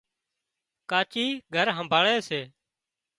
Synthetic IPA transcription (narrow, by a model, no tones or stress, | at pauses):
kaːt͡ʃiːɡʱəɾɦəmbʱaːɭeːseː